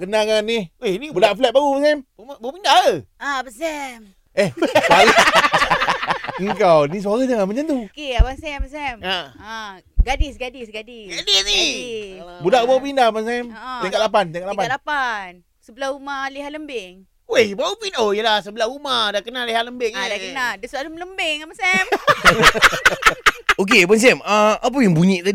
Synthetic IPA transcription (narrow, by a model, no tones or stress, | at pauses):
kənakaniwehnibudaʔflɛt̪̚baɣubas̬ɛmumabaupindaəabəsɛm | ehbala | əŋkawnis̬uaɣad͡ʒaŋamat͡ʃant̪ukeabansɛmbəsɛmaa | ɡadisɡadisɡadisɡadisni | budaʔumapindabansɛmt̪akat̪lap̬ant̪iaŋkaʔlapaalapan | səbəlahumaliɦaʔləmbɪŋ | wehbaupinojəlahsəbəlahumadaʔkənaliɦaləmbɪŋdakənadəsalumələmbɪŋamasɛm | ok̬eabans̬ɛməap̬əjaŋbuɲiʔt̪a